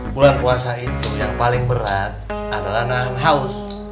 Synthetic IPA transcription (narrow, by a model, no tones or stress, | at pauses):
bulanpuasait̪ujaŋpalɪŋbəɾat̪̚ | adalahnaɦanɦaʊs